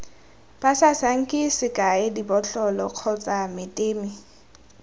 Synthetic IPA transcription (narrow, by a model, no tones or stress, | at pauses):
b̥asasaŋ̩kʼɪsɪkʼaedibɔɬɔlɔq͡χʰɔt͡sʼamɪtʼeːmi